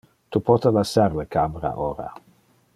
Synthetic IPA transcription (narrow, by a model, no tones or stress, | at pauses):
t̪upɔt̪əlasarləkʰamɾa̰ʔoɾa̰